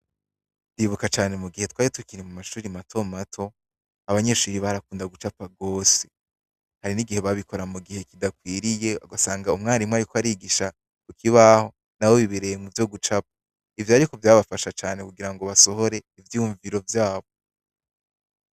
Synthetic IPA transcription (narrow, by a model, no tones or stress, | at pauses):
ndiβukat͡ʃaːne̞muɡihe̞twaːɾituikiɾimumaʃuːɾimatʰo̞matʰo̞ | aβaɲe̞ʃuːɾiβaɾakuːndaɡut͡ʃapaɡo̞ːse̞̥ | haɾiniɡihe̞βaβikʰo̞ɾamuɡihe̞kidakwiːɾije̞oɡasaːŋɡaumŋaːɾimŋeaɾikoaɾiɡiʃa | kukʰiβaho̞ | nawo̞βiβeɾe̞jemuvjo̞ɡut͡ʃap̚ḁ | ivjaɾikovjaːβafaʃat͡ʃaːnekuɡiɾaŋɡo̞βaso̞ɦo̞ɾe̞ivjuːɱviɾo̞vjaːβo